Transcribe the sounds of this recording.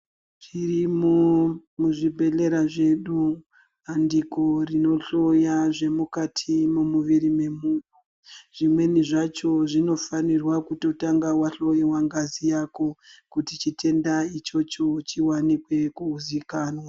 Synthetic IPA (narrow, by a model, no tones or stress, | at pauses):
ʐ̥irimomuʐibʱe̞ɬe̞ɾaʐe̞ɗu | andiko̞rino̞ɬo̞jaʐe̞mukatʰimumuʋiɾime̞muːno | ʐ̥imwe̞niʐat͡ʃo̞ʐino̞fanirwakuto̞taŋɡawaɬo̞jiwaŋɡazijako̞kutit͡ʃitʰe̞ndait͡ʃo̞t͡ʃo̞t͡ʃiwanikwe̞kuːzikaːnwa